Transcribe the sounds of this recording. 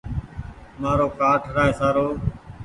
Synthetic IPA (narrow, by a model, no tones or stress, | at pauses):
maːɾoːkaːʈʰɾaːeːsaːɾoː